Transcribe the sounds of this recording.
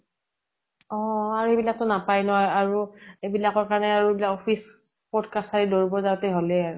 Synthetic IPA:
ɔaɹuebilak̚tʊnapajnɔɦɔjaɹuebilakɔɹkaɹɔnɛaɹuebilakopʰis | pɔdkasaɹidoɹubɔzatɛɦolɛaɹu

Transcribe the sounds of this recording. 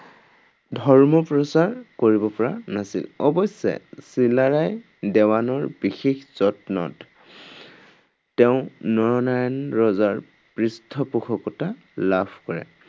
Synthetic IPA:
dʱɔɹmɔpɹɔsaɹkoɹibɔpɔɹanasḭlɔbɔsɛ̰silaɹaj | dɛwanɔɹbixexz̥ɔtnɔ̰t | ɛʊ̃nɔɹɔnajɔnɹɔzaɹ | pɹistʰɔpuxʰɔkɔta | labʰʱkɔɹɛ̰

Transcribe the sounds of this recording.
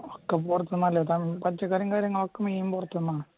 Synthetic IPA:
okːepurɐt̪ːunːɐlːet̪ɐmpɐt͡ɕːɐkaːɾjɐŋkaːɾjɐŋːɐɭokːɐmeːjumpurɐt̪ːunːaːɳɨ

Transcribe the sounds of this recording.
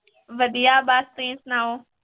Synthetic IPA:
ʋɐd̪ijaːbaːst̪ẽːsnaːɦoː

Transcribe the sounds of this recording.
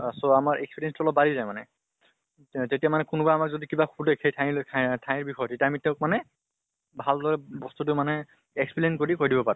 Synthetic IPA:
soamaɹʔɛkspiɹiɛnstʊɔlɔbalizajmanɛ̰ | tetijamanɛkʊnʊbaamakzodikibaxʰudekxejtʰaatʰajiɹbixʰɔjɔtetijaamitẽʊ̃k̚manɛ | bʱaldɔɹɛbɔstut̬ʊmanɛ | ekspilinkoɹikojdibɔpaɹʊ̃

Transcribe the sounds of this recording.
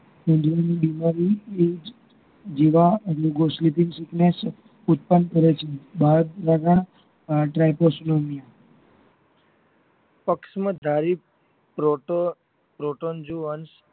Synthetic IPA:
kend͡ʒ̪ɾanibimaɾied͡ʒ | d͡ʒeʋaluɡoslipiŋɡsiknes | ut̪̚pənkəɾet͡ʃʰebad̪ɾaɡã | ʈɾajposnomija | pəkʃmãd̪ʱaɾi | pɾoʈo | pɾoʈond͡ʒuəns

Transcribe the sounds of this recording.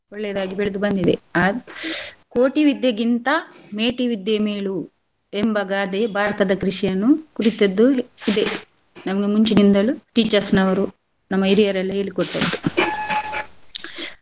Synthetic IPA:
ɔɭːeːd̪aːɡibeɭud̪ubɐnd̪id̪ḛɐ | koːʈiʋid̪jɐɡint̪ɐme̞ːʈiʋid̪jɐmeːɭu | embɐɡaːd̪ebʱaːɾɐt̪ɐd̪ɐkɾiʂjɐnukuɾit̪ɐd̪ːuid̪e | nɐmɐɡemuɲt͡ʃinind̪ɐluʈiːt͡ʃɐɾsnɐʋɐɾu | nɐmːɐiɾijɐɾɐlːɐe̞ːɭikɔʈːɐd̪ːu

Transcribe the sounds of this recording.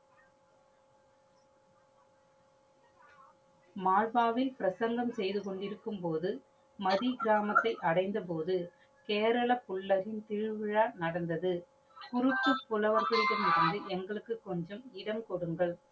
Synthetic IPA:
maːɻʋaːʋɪlpɪɾɐsɐŋɡɐmsɛjðɯkɔɳɖɪɾɯkːɯmpoːðɯ | mɐðiɡɪɾaːmɐt̪ːɐɪʔɐɽɐɪnd̪ɐp̬oːðɯ | keːɾɐɭɐpʊɭːɐɾɪnt̪ɪɻɯʋɪɻaːnɐɽɐnd̪ɐðɯ | kʊɾɯt̪ːɯpːʊlɐʋɐɾɣɐɭɪɽɐmɪɾɯnd̪ɯɛŋɡɐɭɯkːɯkːɔɲd͡ʒɐmɪɽɐmkɔɽɯŋɡɐɭ

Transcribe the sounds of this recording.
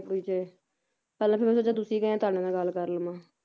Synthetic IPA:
piːt͡ʃeː | pɛːlãːpʰeːmɛ̃ːsoːt͡ʃãːt̪̬ʊsiːkəãːt̪ʊaːɽ̃ẽːnãːɡəlkəɾləmãː

